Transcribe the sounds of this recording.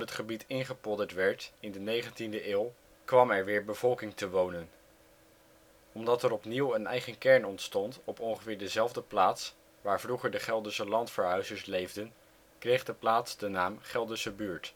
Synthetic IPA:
pɦətχəbitɪnχəpɔdətʋɛɹtɪndənejχəntindəʔɪːlˠ | kʋɑmɛɹʋɪːɹbəv̥ɔlˠkɪŋtəʋownən | ɔmdɑtɛɾɔpniwənɛ̰jχənkɛɹnɔntstɔntɔpɔŋχəvɪːɹdəzɛlˠvdəplaːts | ʋaːɹvruχəɹdəχɛlˠdəsəlɑntfəɹɦœɥzəɹslejvdən | krejχdəplaːtsdənaːmχɛlˠdəsəbyːɹt

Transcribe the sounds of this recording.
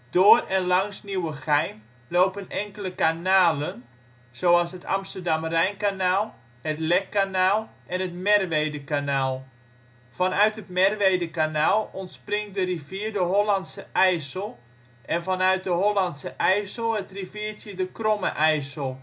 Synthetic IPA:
d̥oərɛnlɑŋsniwəxɛjn | loːpənɛŋkələkanaːlən | z̥owɑlˠsɦətʰɑ̰mstərdamrɛjnkanaːlˠ | hətlɛkːanaːlˠʔɛnɦətmɛrʋejdəkanaːlˠ | fɔnœɥtɦətmɛrʋejdəkanaːlˠɔntsprɪŋt̚dəriviːrdəɦolantsəʔɛjsəlˠ | ʔɛnfɔnœɥt̚dəɦolɑntsəʔɛjsəlˠətriviːrtjədəkroməʔɛjsəlˠ

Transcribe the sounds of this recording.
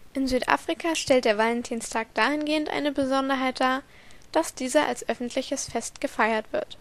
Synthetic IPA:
ʔɪnzyːtʔa̰ːfʁ̥ikʰaʃtɛltd̥eːɐvalɛntʰiːnstʰaːk̚d̥aːhɪnɡeːəntʔa̰ɪnəbəzɔndɐɦaɪt̚d̥aː | d̥asd̥iːzɐʔa̰lsʔœfn̩tʰlɪçəsfɛstɡ̥əfaɪɐtv̥ɪɐt

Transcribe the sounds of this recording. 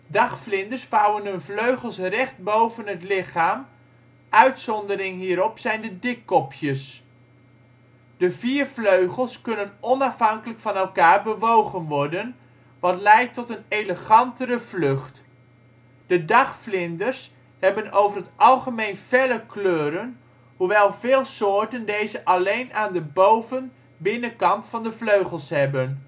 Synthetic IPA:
dɑχflɪndəɹsfawənɦɵnvløɥχəlˠsrɛχt̚bowvənɦətlɪχaːm | ʔœɥtsɔndəɾɪŋɦiːɾɔpsɛjndədɪkːɔpʰjəs | d̥əviːɹvløɥχəlˠskɵnənɔnɑfɦɑŋkələkfɑnɛlˠkaːɹbəʋowχənʋɔɹdən | ʋɑtlɛjtɔtənejləχɑntəɾəvlɵχt | d̥ədɑχflɪndəɹs | hɛbənowvərɦətʔɑlˠχəmejnv̥ɛləkløːɾən | ɦuʋɛlˠvɪːlˠsʊːɹtəndejzəʔɑlejnaːndəbowvən | bɪnəkɑntfɑndəvløɥχəlˠsɦɛbən

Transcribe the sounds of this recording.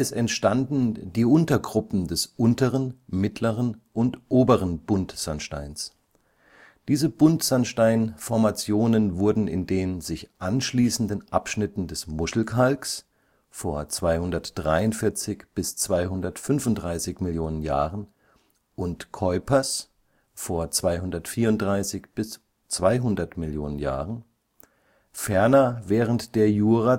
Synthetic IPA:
ɛsɛntʃtandn̩diːʔʊntɐɡʁʊpm̩dɛsʔʊntəʁənmɪtʰləʁənʔʊntʔoːbəʁ̞ənb̥ʊntz̥anʃta̰ɪns | d̥iːzəb̥ʊntz̥anʃtaɪnfɔɐmat͡sjoːnənvʊɐdn̩ɪ̰ndeːnzɪçʔanʃliːsn̩dənʔapʃnɪtn̩dɛsmʊsl̩kʰalks | foːɐt͡sv̥aɪhʊndɐtd̥ʁaɪʊntfɪɐt͡sɪçb̥ɪst͡sv̥aɪɦʊndɐtfʏnfʊntd̥ʁaɪsɪçmɪljoːnənja̰ːʁən | ʔʊntkʰɔʏpʰɐs | foːɐt͡sv̥aɪhʊndɐtfiːɐʊntdʁaɪsɪçb̥ɪs | t͡sv̥aɪɦʊndɐtmɪljoːnənja̰ːʁən | fɛɐnɐvɛːʁəntd̥eːɐjuːʁa

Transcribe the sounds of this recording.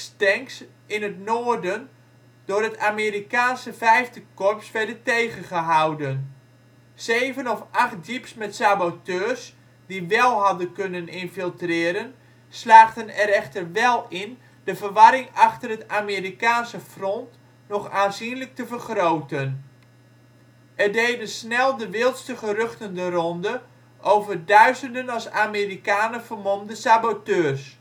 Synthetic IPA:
stɛŋks | ɪnətnoːrdən | d̥ʊːɾətaːmeːɾikaːnsəfɛjftəkɔpsʋɛdətejɣəχəɦawdən | sejvənɔfʔaχt̚dipsmɛtsabotøːs | diʋɛlˠɦɑdənkønənɪnfilˠtrɪːɾən | slaːχtənɛɾɛχtərʋɛlˠɪn | d̥əvərʋɑɾɪŋɑχtərətaːmeːɾikaːnsəfrɔnt | nɔχaːnzinlək̚təvərχrowtən | ʔɛrdejdəsnɛlˠdəʋɪlˠtstəχərøχtəndərɔndə | ʔowvərdœɥzəndənɑsaːmeːrikaːnəvərmɔmdəsabotøːrs

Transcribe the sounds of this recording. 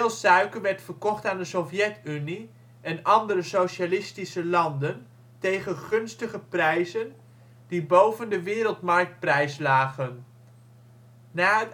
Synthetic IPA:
lˠsœɥkəɹʋɛɹtfəɹkɔχtaːndəsɔfjɛtyni | ʔɛnɑndəɾəsowʃalɪstisəlɑndən | tejχənχɵnstəχəprɛjzən | d̥ibowvəndəʋɪːɾəlˠtmɑɹk̚t̚prɛjslaːχən | naːɦət

